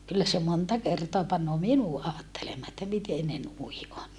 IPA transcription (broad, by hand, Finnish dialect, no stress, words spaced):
kylːæ se montɑ kertoɑ pɑnːoː minu ɑːtːelemːɑː etːæ miten ne nui on